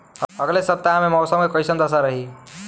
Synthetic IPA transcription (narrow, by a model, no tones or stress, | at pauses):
əɡlesəp̚t̪aɦãmemɔːsəmkekɔɪsənd̪əsaɾəɦi